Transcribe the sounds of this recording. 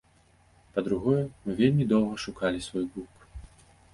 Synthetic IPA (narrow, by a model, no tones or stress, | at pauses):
pɐd̪ɾuɣɔjɛmɨvʲelʲmʲid̪ɔwˠɣɐʂukalʲisvɔjɡluk